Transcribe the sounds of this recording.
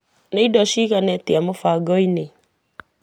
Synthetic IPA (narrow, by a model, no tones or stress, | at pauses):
neidɔʃiːɣanɛtiamofaɡɔine